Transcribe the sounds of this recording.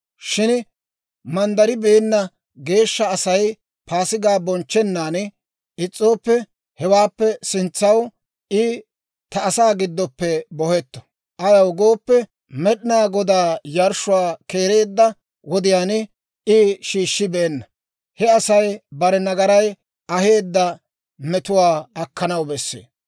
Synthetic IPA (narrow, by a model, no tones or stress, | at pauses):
ʃɪn | mɐnd̪ɐɾɪbeɛnːɐ | ɡe̞ːʃːɐːsɐj | pʰaːsɪɡaːbɔnt͡ʃːɛnːaːn | ʔɪt͡sʼːo̞ːpːɛ | hɛwaːpːɛsɪnt͡sːɐw | ʔɪ | t̪ɐːsaːɡɪd̪ːɔpːɛbɔhɛt̪ːɔ̥ | ʔɐjɐwɡo̞ːpːɛ | mɛɗɪnaːɡɔd̪aːjɐɾʃʊwaːke̞ːɾe̞ːd̪ːɐ | wɔd̪ɪjaːn | ɪʃiːʃːɪbeːnːɐ | hɛɐsɐjbɐɾɛnɐɡɐɾɐj | ɐhe̞ːd̪ːɐ | mɛt̪ʊwaːɐkːɐnɐwbɛsːḛː